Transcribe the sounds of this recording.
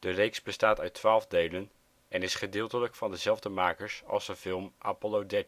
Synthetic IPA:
d̥ərejksbəstaːtœɥtʋaːlˠvdejlən | ɛnɪsχədɪːlˠtələkfɑndəzɛlˠvdəmaːkəɹsɑ̰lˠsənfɪlˠmʔa̰ːpolodɛt

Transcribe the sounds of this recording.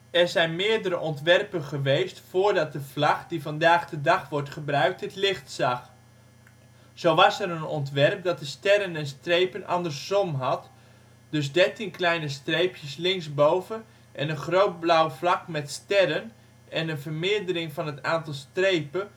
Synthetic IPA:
ɛɹzɛjnmɪːɹdəɾəʔɔntʋɛrpəχəʋejstfoːɹdɑt̚dəv̥lɑχdivɑndaːχdədɑχʋɔɹtχəbrœɥk̚tətlɪχtsɑχ | z̥owʋɑsɛɾənɔntʋɛrp̚dɑt̚dəstɛɾənɛnstrejpənʔɑ̰ndərsɔmɦɑt | d̥ɵs̬dɛɹtinklɛjnəstrejpjəslɪŋsbowvən | ʔɛnənχrowt̚blawflɑkmɛtstɛɾən | ɛnənvərmɪːɹdəɾɪŋvɑnɦətaːntɑlˠstrejpə

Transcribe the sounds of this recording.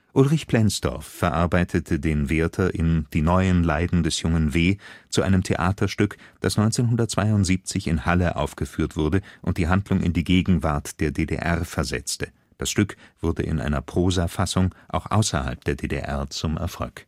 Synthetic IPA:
ʔʊlʁɪçpl̥ɛnsd̥ɔ̰ɐfːɛɐʔaɐbaɪtʰətʰədeːnveːɐtʰɐʔɪnd̥iːnɔʏənlaɪdn̩dɛsjʊŋənveːt͡suʔa̰ɪnəmtʰḛʔa̰ːtʰɐʃtʏkd̥asnɔʏnt͡seːnɦʊndɐt̚t͡sv̥aɪʊntz̥iːp̚t͡sɪçɪnhaləʔa̰ʊfɡ̥əfyːɐtv̥ʊɐdəʔʊnt̚d̥iːɦandlʊŋʔɪ̰ndiːɡeːɡŋ̩vaɐtd̥eːɐdedḛʔɛʁfɛɐzɛ̰t͡stə | d̥asʃtʏkv̥ʊɐdə̰ʔɪ̰nʔa̰ɪnɐpʁ̥oːzafasʊŋʔaʊxʔa̰ʊsɐ̰ha̰lp̚d̥eːɐdeːdḛʔɛɐt͡sʊmʔɛ̰ɐfɔ̰lk

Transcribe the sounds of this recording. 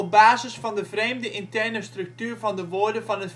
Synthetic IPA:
ɔp̚baːzəsfɑndəvrejmdəʔɪntɛrnəstrɵk̚tyːɹvɑndəʋoːɹdəvɑnɦət

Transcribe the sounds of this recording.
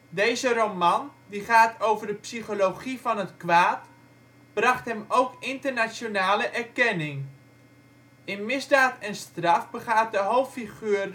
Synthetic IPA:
dejzərowmɑndiχaːtʰowvərdəpsiχolowχivɑnɦətkʋaːt | b̥rɑχtɦɛmowkɪntərnasjonaːləʔɛrkɛnɪŋ | ɪnmɪzdaːtɛnstrɑfbəχaːt̚dəɦowpfiχyːr

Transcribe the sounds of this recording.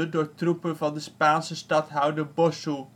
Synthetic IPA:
ədʊːɹtrupənvɑndəspaːnsəstɑtɦœwdəɹbɔsu

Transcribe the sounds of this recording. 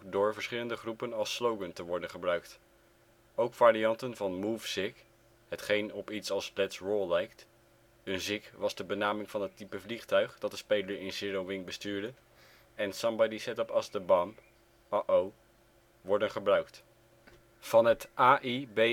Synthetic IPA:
dʊːɹvəɹsχɪləndəχrupənɑlˠslowɡəntəʋɔɹdənχəbrœɥk̚t | owkfaːɾiɑntənvɑnmufsɪk | ɦətχejnɔpitsɑlˠsplɛtsɹoːlˠɛjkt | ənzɪkʋɑzdəbənaːmɪŋv̥ɑnətipəvliχtœɥχdɑt̚dəspejləɹɪnsɪrowʋɪŋbəstyːɹdə | ɛnsɑmbɑdisɛtəpɑsdəbɑm | aʔow | ʋɔɹdənχəbrœɥkt | v̥ɑnɦətʔaːʔibe

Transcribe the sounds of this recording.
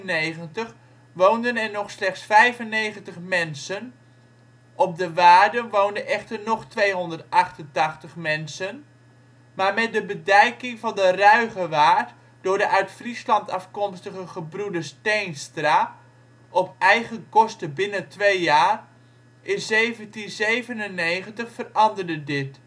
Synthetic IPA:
neχəntəχ | ʋowndənɛɹnɔχslɛχtsfɛjvənːejχəntəχmɛnsən | ʔɔp̚dəʋaːdənʋowndənʔɛχtərnɔχtʋejɦɔndəɹtɑχtəntɑχtəχmɛnsən | maːɹmɛt̚dəbədɛjkɪŋvɑndərœɥχəʋaːrt | d̥ʊːɹdəʔœɥtfrislɑntɑfkɔmstəχəχəbrudəstejnstra | ʔɔpʔɛjɣənkɔstəbɪnətʋejjaːr | ʔɪnzejvəntinzejvənənːejχəntəχfərɑndərdədɪt

